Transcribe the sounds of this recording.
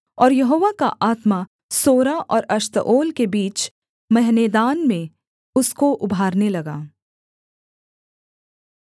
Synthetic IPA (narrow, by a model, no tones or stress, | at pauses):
ɔːɾjɐɦoːʋaka̰ʔaːt̪ma | soːɾaʔɔːɾɐʃt̪əʔoːlkebiːt͡ʃ | mɐɦneːd̪aːnmẽ | ʊskoʔʊbʱaːɾnelɐɡaː